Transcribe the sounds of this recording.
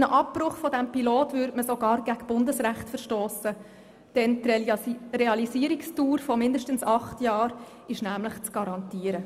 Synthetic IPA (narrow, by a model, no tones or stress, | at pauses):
nəʔɑpːɾʊχfɔdæmpiloːtvʏːɾdməsoɡɑːɾɡ̥æɡb̥ʊndəsʁæχtfəɾʃtoːsə | d̥ɛnt | reɑlisiːəɾɪkstuːɾfɔmɪndəʃtənsɑχtjɑːɾ | ɪʃnæmləχt͡sɡ̥ɑɾɑntiːəɾə